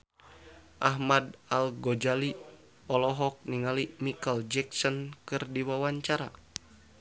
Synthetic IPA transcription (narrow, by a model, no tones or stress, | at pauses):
ʔaɦmadalɡod͡ʒali | ɔlɔɦɔk̚niŋalimikəld͡ʒɛksɔnkɨrdiwawaɲt͡ʃaɾa̰